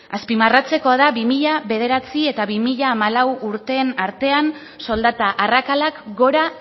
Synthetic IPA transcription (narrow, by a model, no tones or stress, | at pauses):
aspimarat͡se̞ko̞aðaβimiʎaβe̞ð̞e̞ɾat͡sie̞t̪aβimiʎaːmalawuɾt̪e̞ːnaɾt̪e̞an | so̞ld̪at̪aʔarakalakɡo̞ɾa